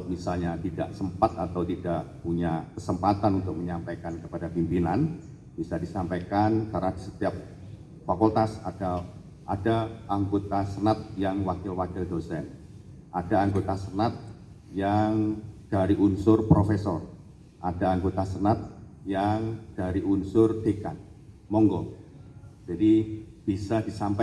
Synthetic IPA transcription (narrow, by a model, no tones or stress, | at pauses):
misalɲat̪ida̰ʔsəmpat̪at̪awt̪idaʔpuɲakəsəmpat̪anunt̪ʊk̚məɲampajkankəpadapimpinan | b̥isadisampajkankaɾadisə̥t̪iap̚ | fakɔlt̪asad̥a | ʔadaaŋɡot̪asənat̪̚jaŋwakɪlwakɪldosɛn | ʔad̥aːŋɡot̪asənat̪̚ | jaŋd̥aɾiʔunsʊrpɾofesɔr | ʔadaːŋɡot̪asənat̪̚jaŋd̥aɾiunsʊrd̥eka̰n | mɔŋɡɔ | d͡ʒadi | b̥isad̥isampa